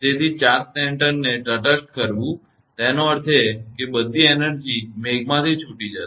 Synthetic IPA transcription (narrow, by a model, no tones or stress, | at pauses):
d͡ʒet̪ʰit͡ʃat̚sɛɳʈəɾneʈəʈəsʈ̚kəɾʋũ | t̪ɛnoəɾt̪ʰekebəd̪ʱːiɛnəɾd͡ʒimeɡmãt̪ʰit͡ʃʰuʈid͡ʒa